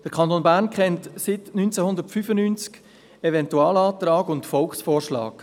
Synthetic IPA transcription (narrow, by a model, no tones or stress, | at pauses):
d̥əɾkʰɑnt̪oːnbæːɾnkχɛntsɪtnynt͡sɛhʊnd̪əɾtfyfənyːnt͡sk | ɛvɛntuɑːlɑːt̪rɑːɡʊntfɔlksfoːrʃlɑ̰ːk